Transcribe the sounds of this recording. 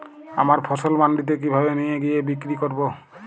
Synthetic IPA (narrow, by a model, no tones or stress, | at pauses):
a̰maɹpʰɔsɔlmandit̬ɛkibʱabɛnijɛɡijɛbikɹikɔɹbɔ